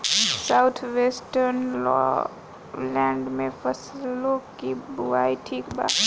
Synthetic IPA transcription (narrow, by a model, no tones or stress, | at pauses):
saʊt̪ʰʋeːsʈəɾnlɔ̰ | lɛ̃ːɳɖmẽfɐsloːɡkibʊaːiʈʰiːkba̰ː